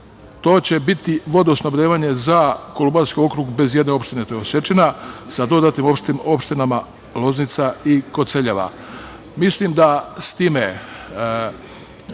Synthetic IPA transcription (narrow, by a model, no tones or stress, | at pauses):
t̪o̞ːt͡ɕe̞bit̪iʋo̞d̪oosnobɾʲeːʋaɲe̞zako̞lumbaɾskio̞kɾuɡbe̞zjed̪ne̞o̞pʃt̪ine̞t̪ojeose̞t͡ʃinasad̪o̞d̪at̪nimo̞pʃt̪imo̞pʃt̪inama | lˠo̞znit̪saiko̞t̪seʎeʋa̰ | mislimd̪ast̪iːme